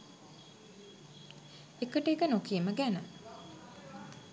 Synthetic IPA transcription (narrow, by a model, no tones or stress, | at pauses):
ekəʈekənokiəməɡænə